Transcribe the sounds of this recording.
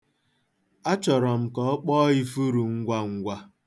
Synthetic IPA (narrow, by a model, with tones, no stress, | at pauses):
a˦t͡ʃɔ˨ɾɔ˨m̩˨kɔ˨˦k͡pɔː˦i˦fu˦ɾu˨ŋ̩˦ɡʷa˦ŋ̩˦ɡʷa˦